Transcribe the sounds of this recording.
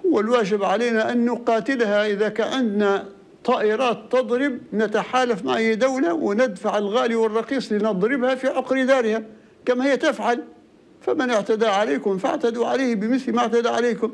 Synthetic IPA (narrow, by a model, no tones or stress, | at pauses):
hʊwːalwaːʒɪbʕaleːnaʔanːʊqɑːt̪ɪlhaʔɪðakaʕɪnd̪na | t̪ˤːɑːʔɪɾɑːt̪ːɑd̪ˤɾɪb̚nat̪aħaːlafmaʕʔajːd̪awlawɪnɪd̪faʕɪlɣaːliwɨrˤːɑqiːsˤlɪnɨd̪ˤɾɪbhafiʕʊqɾd̪aːɾɪha | kamahɪjːat̪ɪfʕal | famɪnɪʕt̪ad̪aʕaleːkʊmfa̰ʕt̪ad̪uʕaleːhbɪmɪθlmaʔɪʕt̪ad̪aʕaleːkʊm